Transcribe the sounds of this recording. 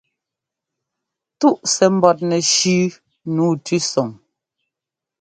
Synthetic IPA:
tu˦˨ʔsɛ˨m̩˦bɔ˨t̚nɛ˨ʃʉ˦ | nuː˨˦tʉ˦sɔ˨ŋ

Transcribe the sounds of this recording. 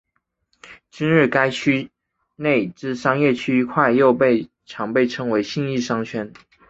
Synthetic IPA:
t͡ɕi˥nɻɻ̩˥˩ka˥ɪt͡ɕʰy˥ | ne˥˩ɪʈ͡ʂɻ̩˥˩ʂɑ˥ŋjɛ˥˩t͡ɕʰy˥˧˥kʰwa˥˧ɪjo˥˧ʊpe˥˩ɪ | ʈ͡ʂʰɑ˧˥ŋpe˥˩ɪʈ͡ʂʰɤ˧˥ŋwe˧˥ɪɕi˥˧ŋi˥˩ʂɑ˥ŋt͡ɕʰɥɛ˥n

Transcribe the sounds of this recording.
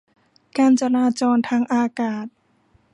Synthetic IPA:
kaː˧nt͡ɕa˧laː˧t͡ɕɔː˧nt̪ʰaː˧ŋʔaː˧kaː˨˩t̪̚

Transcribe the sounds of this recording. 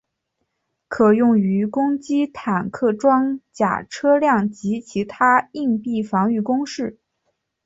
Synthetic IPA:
kʰɤ˨˩jʊ˥˩ŋy˧˥kʊ˥ŋt͡ɕi˥t̪ʰa˨˩nkʰɤ˥˩ʈ͡ʂwɑ˥ŋt͡ɕja̰˨˩ʈ͡ʂʰɤ˥ljɑ˥˩ŋt͡ɕi˧˥t͡ɕʰi˧˥t̪ʰa˥i˥˧ŋpi˥˩fɑ˧˥ŋy˥˩kʊ˥ŋʂɻ̩˥˩

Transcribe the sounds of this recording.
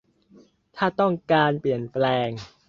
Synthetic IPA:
t̪ʰaː˥˩t̪ɔ˥˩ŋkaː˧npli˨˩ənplɛː˧ŋ

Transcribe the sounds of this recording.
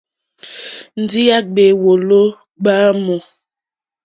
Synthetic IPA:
n̩˨di˦ja˦ɡ͡be˨wo˨lo˦ | ɡ͡baː˦mɔ˨

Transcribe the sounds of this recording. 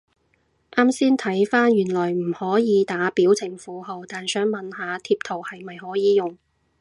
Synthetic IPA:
ʔaː˥msiː˥nt̪ʰɐ˨˥jfaː˥njyː˨˩nlɔː˨˩jm̩˨˩hɔː˨˥jiː˨˧t̪aː˨˥piː˨˥wt͡sʰɪ˨˩ŋfuː˨˥ɦo˨wt̪aː˨nsœː˨˥ŋmɐ˨nhaː˨˧t̪ʰiː˧p̚t̪ʰo˨˩whɐ˨jmɐ˨jhɔː˨˥jiː˨jʊ˨ŋ

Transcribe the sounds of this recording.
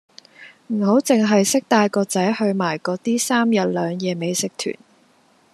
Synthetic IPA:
m̩˨˩ho˨˥wt͡sɪ˨ŋɦɐ˨jsɪ˥k̚t̪aː˧jkɔː˧t͡sɐ˨˥jhɵ˧ɥmaː˨˩jkɔː˨˧˥t̪iː˥saː˥mjɐ˨t̚lœː˨˧ŋjɛː˨˧me˨˧jsɪ˨˥k̚t̪ʰy̰ː˨˩n

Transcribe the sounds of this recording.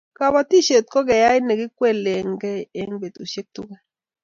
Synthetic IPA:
ka˨βa˨ti˦ʃe˨t̪̚kɔ˦kɛ˨ja˦jnɛ˨ɡɪ˦kwɛ˦˨le˨ŋɡɛ˦˨ɛ˦ŋbe˨t̪u˨ʃe˦k̚tu˦kɛ˦

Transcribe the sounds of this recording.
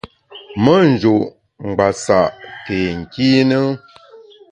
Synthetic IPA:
mə˦n˨d͡ʒo˨ʔ | ŋ̩˨ɡ͡ba˨sa˨ʔke˨ŋ̩˨ki˦nə˦

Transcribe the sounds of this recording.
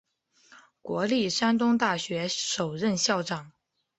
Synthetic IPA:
kwɔ˧˥li˥˩ʂa˥nt̪̬ʊ˥ŋt̪̬a˥˩ɕɥɛ˧˥ʂo˨˩ʊɻə˥˧nɕjɑ˥˩ʊʈ͡ʂɑ˨˩˦ŋ

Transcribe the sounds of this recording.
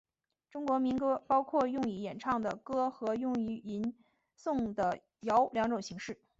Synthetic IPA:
ʈ͡ʂʊ˥ŋkwɔ˧˥mi˧˥nkɤ˥pɑ˥ʊkʰwɔ˥˧jʊ˥˩˧ŋi˧˥jɛ˨˩nʈ͡ʂʰɑ˥˩ŋd̪ə˩kɤ˥xɤ˧˥jʊ˥˩ŋy˧˥i˧˥n | sʊ˥˩ŋd̪ə˩ | jɑ˧˥ʊljɑ˧˥ŋʈ͡ʂʊ˨˩ŋɕi˧˥ŋʂɻ̩˥˩

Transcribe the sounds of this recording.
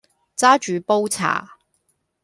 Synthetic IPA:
t͡saː˥t͡ʃyː˨˥po˥wt͡sʰa̰ː˨˩

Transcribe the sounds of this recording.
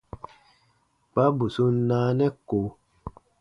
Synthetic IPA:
k͡pa˦bu˨su˦naː˦nɛ˦ko˨˦

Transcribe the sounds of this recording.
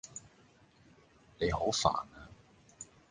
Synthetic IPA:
ne˨˧jho˨˥wfa̰ː˨˩naː˧

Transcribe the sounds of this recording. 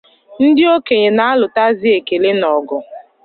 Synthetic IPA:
n̩˦dɪ˦o˦ke˨ɲe˨na˦a˦lʊ˨ta˦zi˦e˨ke˨le˦nɔ˨ɡʊ˨

